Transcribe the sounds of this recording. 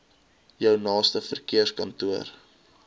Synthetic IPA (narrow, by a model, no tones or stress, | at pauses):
jœwnɑːstəfərkiərskɐntuər